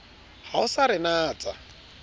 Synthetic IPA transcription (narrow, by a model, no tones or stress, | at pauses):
haʊsaɾɪnaːt͡sʼa